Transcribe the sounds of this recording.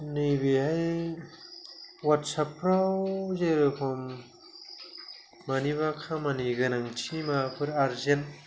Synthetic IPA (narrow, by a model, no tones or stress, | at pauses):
nɯjbiɦaj | watsapɾawzeɾɯkʰɔm | aniβakʰamaniɡɯnaŋt͡ʃʰimapʰɯɾaɾzen